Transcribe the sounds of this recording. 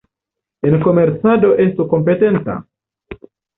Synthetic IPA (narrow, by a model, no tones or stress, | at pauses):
enkomeɾt̪sadoʔest̪ukompet̪ent̪a̰